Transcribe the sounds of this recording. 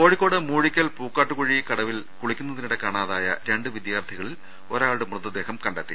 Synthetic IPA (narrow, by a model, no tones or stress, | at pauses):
ko̞ːɻikʲːo̞ːɽɨmuːɻikʲːɐlpuːkːaːʈːukoɻikɐɽɐʋil | kuɭikʲːunːɐðiniɽe̞kaːɳaːðaːjɐ̰ɾe̞ɳɖɨʋid̪jaːrt̪ʰiɣɐɭil | o̞ːɾaːɭuɽemrɨðɐd̪ːe̞ːɦɐmkɐɳɖet̪ːḭ